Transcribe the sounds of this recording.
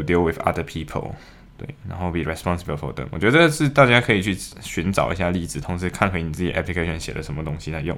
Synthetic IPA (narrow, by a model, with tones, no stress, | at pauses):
d̪i˧˥lˠwɪ˨ðɐ̰˦ðə˧pʰi˥pʰə̰˨lˠ | t̪wḛ˥˩ɪna˧˥nxo˥˩ʊpi˨˩ɹɛ˩spɑ˥nsə˨bə˨˩fɔ̰˧˥d̪ə̰˦ŋwɔ˨˩t͡ɕɥɛ˧˥d̪ə˧ʂɻ̩˥˧t̪a˥˩t͡ɕja˥kʰɤ˧˥i˨˩t͡ɕʰy˥˩ɕy˧˥nʈ͡ʂɑ̰˨˩ʊʔḭ˧˦ɕ̬ja˥˧li˥˩t͡sɹ̩˨˩t̪ʰʊ˧˥ŋʂɻ̩˧˥kʰa˥˩nxwe˧˥ɪni˨t͡s̩˥˩t͡ɕḭ˨˩ʔɛ̰˧˥pli˧kʰe˥ɪɕə˧nɕjɛ̰˨˩lə̰˦ʂə˧˦nmə˧t̪ʊ˥ŋɕi˧la˧ɪjʊ˥˨ŋ